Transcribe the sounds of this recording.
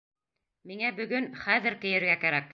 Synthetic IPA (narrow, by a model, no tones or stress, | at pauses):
miŋæbɵ̆ɡɵnχæðɘ̆ɾkɘ̆jɘ̆ɾɡækæɾæk̚